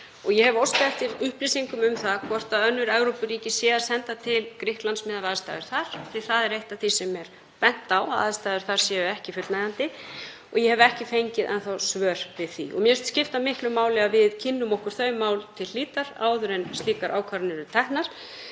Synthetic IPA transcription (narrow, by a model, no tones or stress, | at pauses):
ɔɣjɛhɛvɔwst̪ɛft̪ɪɾʏhplisiŋkʏmʏmθaðkʰvɔr̥t̪aðœnːʏɾɛvɾowpʏriːcɪsjɛːðasɛnt̪at̪ʰɪlkɾɪhk̪lansmɪːðavaːðst̪a̰jðʏɾ̥θaɾ̥θiθaðɛɾejht̪aθisɛmɛɾ̥ | pɛn̥t̪awa̰ːðst̪aːðʏɾ̥θaɾ̥sjɛːʏɛhcɪfʏt̪naðant̪ɪ | ɔɣjɛhɛvʏɛhcɪfejɲcɪðʔɛ̰nθawsvœːɾ̥vɪðθḭʔɔ̰ɣmjœst̪scɪft̪amɪhklʏmːaːwlɪavɪðcʰɪnːʏmɔhkʏɾ̥θœːɥmaːwlt̪ʰɪlliːt̪aɾa̰ːwðʏɾɛnsliːkaɾʔaːwkʰvaɾnɪɾʏt̪ʰɛhnaɾ̥